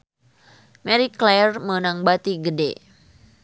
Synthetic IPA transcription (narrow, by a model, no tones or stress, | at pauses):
mɛɾiklɛrmənaŋbat̪iɡədḛ